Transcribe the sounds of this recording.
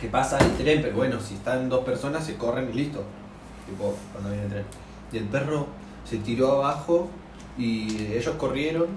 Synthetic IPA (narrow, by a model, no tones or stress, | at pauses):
kepasaet̪ɾempeɾo̞βwenosiest̪and̪o̞spe̞ɾso̞nase̞ko̞renilist̪o | t̪ipokwand̪ojenet̪ɾen | d̪elpero̞ | se̞t̪iɾo̞aβaxo̞ | ieʒo̞sko̞rje̞ɾo̞n